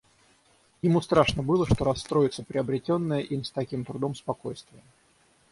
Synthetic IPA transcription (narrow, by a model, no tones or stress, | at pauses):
jɪmust̪ɾaʂnəbɨlˠəʂt̪o̞ɾɐsːt̪ɾo̞jɪt̪səpɾʲɪɐbɾʲɪtʲonːəjəʔimst̪ɐkʲimt̪ɾʊd̪o̞mspɐko̞jst̪vʲɪjə